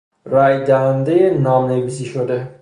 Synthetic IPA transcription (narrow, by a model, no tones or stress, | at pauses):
ɾæjd̪æɦænd̪ejenɒmnevisiʃod̪e